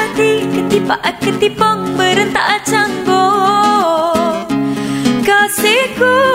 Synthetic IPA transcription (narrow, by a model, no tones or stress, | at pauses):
t̪ikət̪ipaʔakət̪ipɔŋbəɾənt̪aʔat͡ʃaŋbo | kaseku